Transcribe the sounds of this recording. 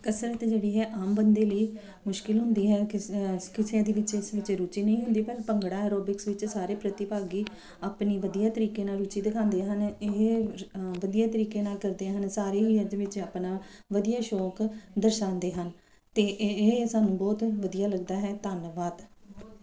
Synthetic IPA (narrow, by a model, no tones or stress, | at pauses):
kəsɾət̪d͡ʒeːɽiːɦɛːʔaːmbənd̪eːləiː | mʊʃkɪlɦʊnd̪iːɦɛːkɪkɪseãːd̪iːʋɪt͡ʃɪsʋɪt͡ʃɾuːt͡ʃiːnəĩːɦʊ̃nd̪iːpəɾpəŋɡɽaːɛːɾoːbɪksʋɪt͡ʃsaːɾeːpɾət̪ɪpaːɡiː | aːpniːʋəd̪ijaːt̪əɾiːkeːnaːlɾuːt͡ʃiːd̪ɪkʰãːnd̪eːɦənɪɦ | ʋəd̪ijaːt̪əɾiːkeːnaːlkəɾd̪eaɦənsaːɾeːiəɾd͡ʒʋɪt͡ʃaːpnãː | ʋəd̪ijaːʃɔːkd̪əɾʃãːnd̪eːɦən | t̪eːɦsaːnːũːbɔːt̪ʋəd̪ijaːləɡd̪aːɦɛːt̪aːnʋaːd̪